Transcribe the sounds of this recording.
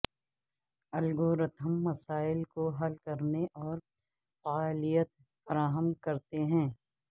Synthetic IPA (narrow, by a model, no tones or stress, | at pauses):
ɐlɡoːɾət̪ʰəmːɐsaːɪlkoɦɐlkɐɾneʔɔːɾ | faaːlijət̪̚ | fɐɾaːɦəmkɐɾt̪eɦɛ̃ː